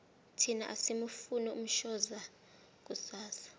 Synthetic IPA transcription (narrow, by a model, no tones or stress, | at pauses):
tʰina̰ʔasimufunɛum̩ʃɔza | k̬ʼusaːsḁ